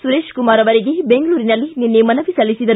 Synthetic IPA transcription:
suɾeːʃkumaːɾɐʋɐɾiɡebeŋɡɐɭuːɾinɐlːininːemɐnɐʋisɐlːisid̪ɐ

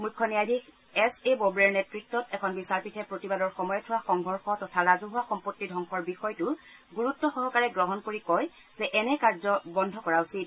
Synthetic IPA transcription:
mukʰːɔniadʱik | ɛsebobɹɛɹnɛtɹitːɔtɛkʰɔnbisaɹpitʰɛpɹotibadɔɹxɔmɔjɔtʰʊwaxɔŋɡʱɔɹxɔtɔtʰaɹazuɦʊaxɔmpotːidʱɔŋxɔɹbixɔjtʊɡuɹutːɔxɔɦɔkaɹɛɡɹɔɦɔnkoɹikɔj | z̥ɛʔɛnɛkaɹzɔbɔndʱɔkɔɹausit̚

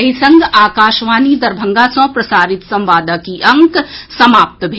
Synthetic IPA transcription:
ɦisɐ̃ŋɡaːkaːʃʋaːnid̪ɐɾbʱɐ̃ŋɡaːsõːpɾɐsaːɾɪt̪sɐ̃mʋaːd̪akiʔɐ̃ŋksɐmaːp̚t̪bʱ

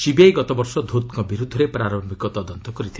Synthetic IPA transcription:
ʃibiajɡɔt̪ɔbɔɾsɔd̪ʱot̪kɔbiɾud̪ʱːɔɾepɾaɾombikɔt̪ɔd̪ɔnt̪ɔkɔɾit̪ʰi

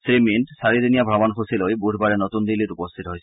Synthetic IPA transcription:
sɾimintsaɾid̪inijabʱɾɔbankusilojbuɾʱbaɾenot̪und̪iliɾupost̪ʰit̪oɦojʰ

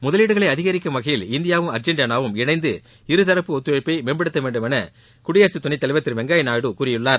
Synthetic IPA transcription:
mʊðɐliːɽɯɣɐɭɐɪɐðɪɣɐɾɪkːɯmʋɐɣɐjɪlɪnd̪ɪjaːʋɯmɐɾd͡ʒɛɳɖjɐnaːʋɯmɪnɐɪnd̪ɯ | ɪɾɯt̪ɐɾɐpːɯɔt̪ːɯʋɐpːɐɪmeːnbɐɽɯt̪ːɐʋeːɳɖɯmɛnɐ | kʊɽɪjaːɾsit̪ːʊnɐɪt̪ːɐlɪʋɐt̪ːɪɾʋɛŋɡaːjɐnaːɽɯkuːɾɪjɯɭːaːɾ

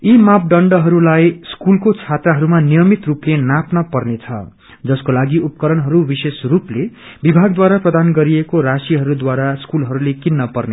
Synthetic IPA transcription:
imap̚ɖʌɳɖʌɦʌɾulajskulkot͡sʰat̪raɦʌɾumanijʌmit̪ruplenapnʌpʌrnet͡sʰʌ̰ | d͡zʌskolaɡiupkʌɾʌnɦʌɾubisesruple | bibʱaɡd̪waɾaprʌd̪anɡʌɾiekoɾasiɦʌɾud̪waɾaskulɦʌɾulekinːʌpʌrne

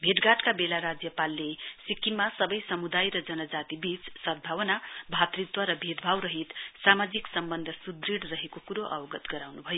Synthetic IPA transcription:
bʱeʈɡaʈkabelaɾad͡zjʌpalːesikimasʌbʌjsʌmud̪ajɾʌd͡zʌnʌd͡zat̪ibit͡ssʌd̪̚bʱawʌnabʱat̪rit̪wʌɾʌbʱed̪bʱawɾʌɦit̪samad͡ziksʌmbʌnd̪ʱʌsud̪riɽrʌɦekokuɾoʔʌwʌɡʌt̪ɡʌɾawnubʱʌjo

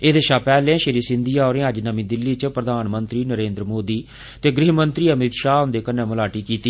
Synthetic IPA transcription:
eːd̪eʃaːpɛːlɛ̃ːʃəɾiːsɪ̃nd̪ijaːoːɾẽːəd͡ʒnəmĩːd̪ɪlːiːt͡ʃəpɾəd̪ʱaːnmənt̪ɾiːnəɾẽːnd̪ɾəmoːd̪iː | t̪eːɡɾɪːɦmənt̪ɾiːəmɪt̪ʃaːɦʊ̃nd̪eːkənɛ̃ːmʊlaːʈiːkiːt̪iː

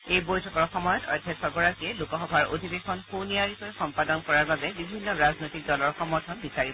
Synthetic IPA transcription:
ejbojtʰɔkɔɹxɔmɔjɔtɔ̰jdʱɛsɔɡɔɹakiɛlukɔxɔbʱaɹo̰dʱibexɔnxuniaɹikɔɛxɔmpadɔnkɔɹaɹbabɛbibʱinːɔɹaznojtik̚dɔlɔɹxɔmɔɹtʰɔnbisaɹib

